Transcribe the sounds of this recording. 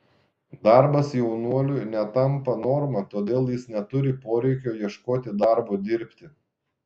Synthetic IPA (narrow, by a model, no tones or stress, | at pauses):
d̪ɑˑɾbɐsjɛʊnuɔlʲʊjnʲɛt̪ɐmpɐnoːɾmɐt̪oːd̪ʲeːlˠjɪsnʲɛt̪ʊɾʲɪpoːɾʲɛɪkʲoːjiɛʃkoːt̪ʲɪd̪ɑɾboːd̪ʲɪɾʲpʲt̪ʲɪ